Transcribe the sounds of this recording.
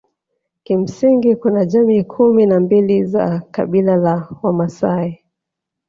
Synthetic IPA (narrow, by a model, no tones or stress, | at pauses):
kim̩siŋɡikunaʄamiːkʰuminambiliza̰ka̰ɓilalawamasai